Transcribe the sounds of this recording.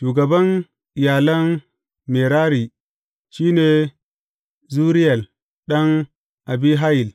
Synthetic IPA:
ʃuː˨ɡɐ˨bɐ˦n | ɪ˨jaː˨lɐ˦n | me˨ɾaː˦ɾi˨ | ʃiː˦neː˨ | zuː˦ɾi˦jɐ˨l | ɗɐ˦ŋ | ʔa˨bi˦ɦa˦ji˨l

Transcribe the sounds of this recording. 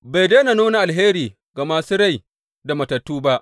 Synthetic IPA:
ba˨jda˦jna˨noː˦na˨ʔa˨lɦeː˦ɾiː˨ | ɡa˨ma˦sʊ˦ɽa˦˨j | da˨mɐ˨tɐ˨tːuː˦ba˦ʔ

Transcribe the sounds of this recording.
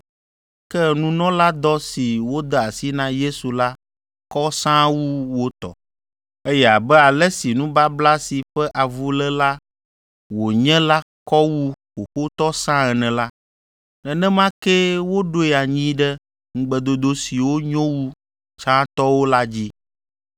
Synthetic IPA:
kɛ˦nũ˦nɔ̃˦la˦d̪ɔ˦si˨wo˦d̪ɛ˦a˨si˦nã˦je˦su˨la˦ | kɔ˦sã˦wu˦wo˦t̪ɔ̰˨ | e˦jɛ˦˨a˨bɛ˦a˨lɛ˦si˨nũ˦ba˦bla˦si˨ɸɛ˦ʔa˨vu˦lɛ˦la˦ | wo˨ɲɛ̃˦la˦ | kɔ˦wu˦wo˨xo˦t̪ɔ˦sã˦ɛ˨nɛ̃˨la˦ | nɛ̃˨nɛ̃˦mã˦kɛ˦wo˦ɖo˦ɛ˨a˨ɲĩ˦ɖɛ˦ | ŋ̩˦ɡ͡bɛ˨d̪o˦d̪o˦si˨wo˦ɲɔ̃˦wu˦ | t͡ʃã˦t̪ɔ˦wo˦la˦d͡ʑi˦

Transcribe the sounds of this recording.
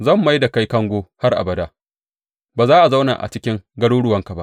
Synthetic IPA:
zɐ˦˨mːa˦jda˨ka˦jkɐ˦ŋɡʷoː˦ha˦rʔa̰˨bɐ˨daː˦ | baː˨zaː˦ʔa˨za˦wna̰˨ʔa̰˨t͡ʃɪ˦kʲɪ˦ŋɡɐ˦ɽuː˦ɽʊ˦wɐ˦ŋka˨ba˦ʔ

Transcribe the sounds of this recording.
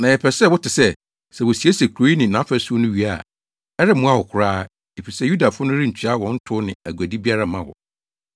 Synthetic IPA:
nã˨jɛ˨pʰɛ˨sɛ˦˨wʊ˦tɪ˨sɛ˦ | sɛ˨wɔ˨si˨e˦se˨kʰɾo˦i˦nɪ̃˨nã˨˦fæ˦su˦o˦nʊ̃˦ɥi˨a̰˦˨ | ɛ˦ɾɪ˦mʊ̃˦a˦˨wɔ˨kʰʊ˨ɾaː˦ | e˨fi˨sɛ˦ju˦da˨fʊ˦nʊ̃˦ɾi˦ɲ̩˨t͡ɕʰᶣi˨˦a˦wɔ̃˦n̩˦tʰʊ˦nɪ̃˨æ˨ɡu˨æ˨di˦bi˦a˦ɾa˦mã˦wɔ̰˨

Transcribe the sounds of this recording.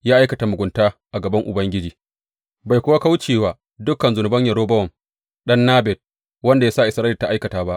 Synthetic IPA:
jaː˦ʔa˦jkɐ˨ta˨mʊ˨ɡʷʊ˨ntaː˦ʔa˨ɡɐ˨bɐ˦ŋʔʊ̰˨bɐ˦ŋɡʲɪ˦d͡ʒiː˨ | ba˨jkʷʊ˦wa˦ka˦wt͡ʃeː˦˨waː˨ | dʊ˦kɐ˨nzʊ˨nʊ˨bɐ˦ɲjɐ˨ɾoː˦bɐ˦wɔ˨m | ɗɐ˦nːaː˦bɛ˨t̚ | wɐ˦nda˨ja˦sa˦˨ʔɪ˨sɾaː˦lɪ˨tːa˨ʔa˦jkɐ˨taː˨˦ba˦ʔ

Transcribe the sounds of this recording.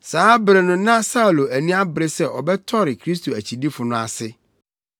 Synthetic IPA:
saː˦bɾɛ˨nʊ̃˦nã˦sa˦˨lo˨æ˨nĩ˦a˦bɾe˦sɛ˦ʔɔ˨bɛ˦tʰɔ˦ɾɪ˨kʰɾi˦s̬t̪ʰo˨æ˨t͡ɕʰi˨di˦fʊ˨nʊ̃˨a̰˨sɪ˦

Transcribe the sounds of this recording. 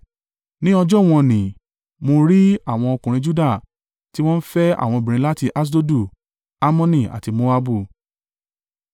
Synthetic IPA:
nĩ˦ɔ˧d͡ʒɔ˦˨w̃ɔ̃˧nĩ˨ | mo˧ɾi˦a˦˨w̃ɔ̃˧ɔ˧kũ˨ɾ̃ĩ˧d͡ʒu˦da˦˨ | ti˦w̃ɔ̃˦n̩˦fɛ˦a̰˦˨w̃ɔ̃˧bĩ˨ɾĩ˨˦la˦ti˧ʔa˦s̬do˦du˦˨ | a˦mɔ̃˦nĩ˦˨a̰˨ti˧mo˦a˦bu˦˨

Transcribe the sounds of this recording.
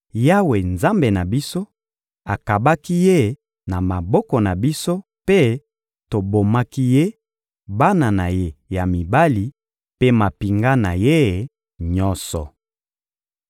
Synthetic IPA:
ja˦we˨nza˦mbe˨na˨bi˦so˦ | a˨ka˨ba˦ki˦je˦˨ | na˨ma˨bɔ˦kɔ˨na˨bi˦so˦ | pe˦ | to˨bo˨ma˦ki˦je˦ | ba˦na˨na˨je˦ja˨mi˨ba˦li˨ | pe˦ma˨pi˨ŋɡa˦na˨je˦˨ | ɲɔ˦nsɔ̰˨

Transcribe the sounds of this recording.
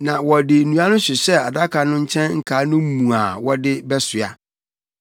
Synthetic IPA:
nã˨wɔ˨dɪ˨nũ˨˦a˦nʊ̃˦ɕɪ˨ɕɛ˦a˨da˦kʰa˨nʊ̃˦ɲ̩˦t͡ɕʰɛ̃˦nŋ̩˦kʰaː˨˦nʊ̃˦m˦mũ˨a˨wɔ˦dɪ˦bɛ˦sɪ˨a̰˨

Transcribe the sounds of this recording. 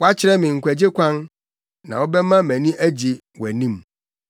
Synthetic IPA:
wɔ˦a˦t͡ɕʰɪ˦ɾɛ˦mɪ̃˨ŋ̩˨kʷʰæ˨d͡ʑe˦kʷʰã˦n | nã˨wɔ˦bɛ˦mã˦mæ̃˨nĩ˦ʔæ˦d͡ʑi˨ | wɔ˨æ˨nĩ˦m

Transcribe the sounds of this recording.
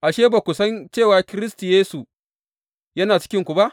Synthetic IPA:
ʔa˨ʃeː˦ba˨kʷʊ˨sɐ˦nt͡ʃeː˦˨waː˨kʲɪ˦ɾɪ˦sti˨jeː˦su˨ | jɐ˦naː˨t͡ʃɪ̥˦kʲɪ˦ŋkʷu˨ba˦ʔ

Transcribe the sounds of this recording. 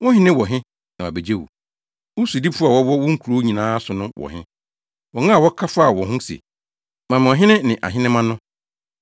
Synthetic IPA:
wɔ̃˦ɦɪ̃˦nɪ̃˦wɔ˨ɦɪ̃˦ | nã˨a̰˨be˨d͡ʑe˦wṵ˨ | wʊ˦su˨di˦bfʊ˦a˨wɔ˦wɔ˦wɔ̃˦ŋ̩˦kʷʰu˨ɾo˨˦ɲĩ˨nãː˦sʊ˨nʊ̃˦wɔ̰˨ɦɪ̃˦ | wɔ˨ŋã˦˨wɔ˦kʰa˦fa˦˨wɔ̃˨ɦʊ̃˦sḛ˨ | mã˨m̃˨ɔ̃˨ɦɪ̃˦nɪ̃˦nɪ̃˨ʔa̰˨ɦɪ˦nɪ̃˦mã˦nʊ̃˦

